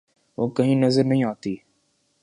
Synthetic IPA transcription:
ʋoːkɐɦĩːnɐzəɾnɐɦĩaːt̪iː

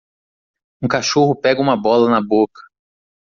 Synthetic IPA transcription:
ũkaʃohʊpɛɡɐũmɐbɔlɐnɐbokɐ̥

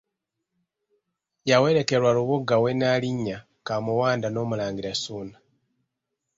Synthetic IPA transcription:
jawe̞ɾe̞ke̞ɾwaɾuβuɡawe̞naliɲːa | kamuwaːndano̞ːmulaːɲɡiɾasuːna

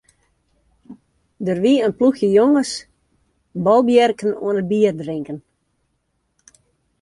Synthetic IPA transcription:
dərʋiənpluxjəjoŋəs | bɔlˠbjɛrkənṵənəbiərdrɪŋkən

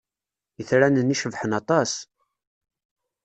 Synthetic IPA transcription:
jəθɾænənːiʃəvħənɑt̪ˤɑs

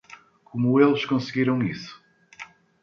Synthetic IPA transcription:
kumuelˠʃkõsɨɣiɾɐ̃w̃isu̥

